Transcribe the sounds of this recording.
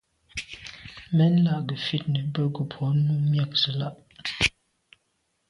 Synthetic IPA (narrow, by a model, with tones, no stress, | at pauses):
mɛ˦n˦la˦˨ʔɡə˨fi˦t̚nə˨bə˦ɡə˨pʰɔ˨˦nu˦mja˦˨k̚zə˨la˦˨ʔ